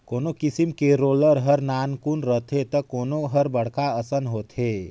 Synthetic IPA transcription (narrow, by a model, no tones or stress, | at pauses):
konokisimkeɾoləɾɦəɾnankunɾət̪ʰet̪əkoːnoɦəɾbəɽ̤kaəsənɦoːt̪ɦe